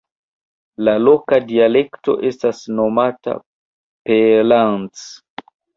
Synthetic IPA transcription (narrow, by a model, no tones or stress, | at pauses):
lalo̞kadiale̞kto̞̰ʔe̞stasno̞mata̰ | pelant͡s